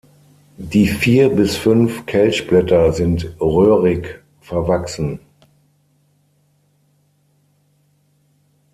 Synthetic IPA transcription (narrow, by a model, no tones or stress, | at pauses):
diːfiːɐbɪsfʏnfkʰɛlçb̥lɛtɐzɪntʁøːʁɪk | fɛɐvaksn̩